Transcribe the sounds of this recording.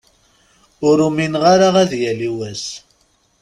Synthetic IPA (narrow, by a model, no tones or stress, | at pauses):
ʊɾuminʁaɾaʁæðjæliwæs